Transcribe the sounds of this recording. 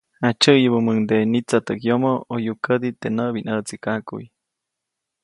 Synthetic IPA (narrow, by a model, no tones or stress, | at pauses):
at͡ʃəjəbəməŋd̪enit͡sat̪əkjomoojukəd̪it̪enəbinət͡sikakṵj